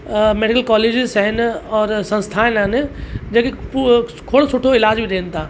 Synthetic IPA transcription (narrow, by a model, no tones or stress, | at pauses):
meːɖɪkəlkɔːleːd͡ʒɪzsɦɪnɔːɾsɐ̃nst̪ʰaːenaːnd͡ʑẽːkep | kʰoːɽosʊʈʰoɪlaːd͡ʒbʱiɾeːnt̪ʰaː